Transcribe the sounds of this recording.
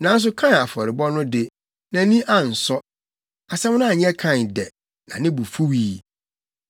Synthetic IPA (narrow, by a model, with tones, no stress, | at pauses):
nã˨˦n̩˦s̬ʊ˦kʰã˦na˨fɔ˨ɾɪ˨bɔ˦nʊ̃˦dɪ˨ | nã˨˦nĩ˦ʔã˨n̩˨sɔ˦ | a˨sɛ˦m˦nʊ̃˦a˨ɲ˦ɛ̃˦kʰã˦˨ndɛ˨ | nã˨nɪ̃˦bu˨fu˦wiː˨˦